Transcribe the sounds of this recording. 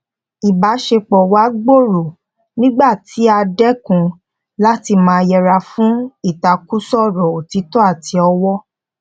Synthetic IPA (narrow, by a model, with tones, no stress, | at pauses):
i˨ba˨˦ʃe˧k͡pɔ˨wa˦ɡ͡bo˦˨ɾo˨ | nĩ˦ɡ͡ba˦˨tʰi˨˦a˧dɛ˦kũ˧ | la˦ti˧mãː˧˦˧jɛ˧ɾa˧fũ˦i˦˨ta˨ku˦sɔ˦˨ɾɔ˨o˨ti˨˦tɔ˦a˦˨tʰi˨˦ɔ˧wɔ˦